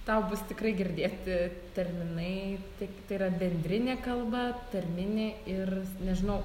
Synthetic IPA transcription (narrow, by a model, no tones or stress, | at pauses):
t̪ɐʊbʊst̪ʲɪkrɐɪɡʲɪɾʲd̪ʲeːt̪ʲ | t̪ʲɛrʲmʲɪnɐɪt̪ʲiɛkʲt̪ɐɪɾɐbʲɛnʲd̪ʲɾʲɪnʲeːkɐlˠbɐt̪ɐrʲmʲɪnʲɪɪrnʲɛʒʲɪnɐʊ